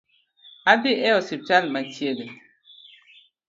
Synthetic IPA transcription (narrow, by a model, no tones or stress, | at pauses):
adiʔɛɔsip̚talmatjele